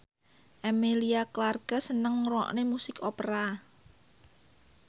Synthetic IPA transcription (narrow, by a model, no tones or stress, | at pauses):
ʔemeliaklarɡ̥a̤sənəŋrɔ̰ʔnemusɪkopəɾa